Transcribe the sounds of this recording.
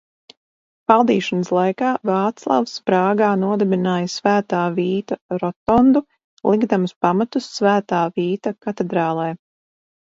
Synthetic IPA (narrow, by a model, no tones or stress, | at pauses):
valˠd̪iːʃanəslˠajkaːvɑːt̪slˠa̰wspɾaːɡaːnuɔd̪ɛbinaːjasvæːt̪aːviːt̪aɾɔt̪ɔnd̪u | lˠiɡd̪amuspamat̪usːvæːt̪aːviːt̪akat̪ɛd̪ɾaːlˠɛː